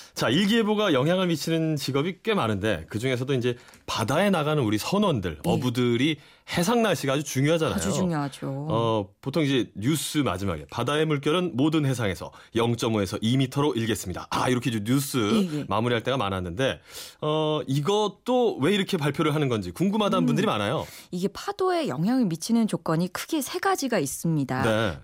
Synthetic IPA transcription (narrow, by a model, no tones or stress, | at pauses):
t͡ɕaiɭɡieboɡajʌŋɦjaŋɯɭmit͡ɕʰinɯnt͡ɕiɡʌbik͈we̞manɯnde̞̰kɯd͡ʑuŋe̞s̬ʰʌdoind͡ʑe̞ | padae̞naɣanɯnuɾisʰʌnwʌndɯ̰ɭʌbudɯɾi | he̞sʰaŋnaɭɕ͈iɡad͡ʑut͡ɕuŋjoɦad͡ʑana̰joŋjoad͡ʑoʌpotʰoŋid͡ʑe̞ɲus͈ʰɯma̰d͡ʑima̰ɡe̞̰padae̞muɭk̬͈jʌɾɯnmodɯnhe̞sʰaŋe̞sʰʌ̰jʌŋt͡ɕ͈ʌmoe̞sʰʌʔimitʰʌɾoʔiɭɡe̞s͈ɯmɲida̰ʔa̰iɾʌkʰed͡ʑoɲus͈ʰɯmamuɾiɦaɭt͈e̞ɡama̰nɦanːɯnde̞ʌiɡʌt͈owe̞iɾʌkʰe̞paɭpʰjoɾɯɭɦanɯnɡʌnd͡ʑikuŋɡumɦadanbundɯɾimanajoiɡe̞pʰad̥oe̞jʌŋɦjaŋɯɭmit͡ɕʰinɯnt͡ɕok͈ʌɲikʰɯ̥ɡe̞sʰe̞ɡad͡ʑiɡais͈ɯmɲidane̞